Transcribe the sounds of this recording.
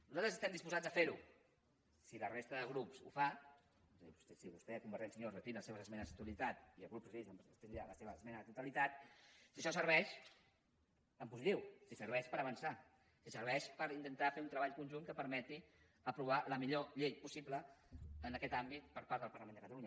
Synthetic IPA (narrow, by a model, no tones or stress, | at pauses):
nuzalt̪ɾəzəst̪ɛmnd̪ispuzad͡zəfeɾu | silərest̪əðəɣɾupsṵfa | βusɛsiβust̪ɛkumbəɾt̪ɛnsəɲozðəfinləseβzəzmɛnəzək̚t̪uəlit̪at̪iəɣɾupzisəmpəst̪enaləseβəːzmɛnəðət̪ut̪əlit̪at̪siʃɔsəɾβ̞ɛʃ | əmpuzit̪iwsisəɾβɛʃpəɾəβənsa | sisəɾβ̞ɛʃpəɾint̪ənt̪afeunt̪ɾəβaʎkunʲʒunkəpəɾmɛt̪i | əpɾuβ̞aləmiʎoʎejpusipləənəkɛt̪ambit̪̚pəɾpaɾðəpəɾləmend̪əkət̪əluɲə